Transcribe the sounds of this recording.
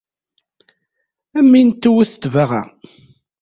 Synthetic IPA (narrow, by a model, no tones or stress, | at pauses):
æmːint̪ːuwuθt̪ːvaʁæ̰